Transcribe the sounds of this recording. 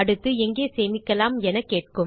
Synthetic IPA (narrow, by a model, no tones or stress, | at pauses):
ɐɽɯt̪ːɯɛŋɡeːseːmɪkːɐlaːmɛnɐkːeːʈ̚kɯm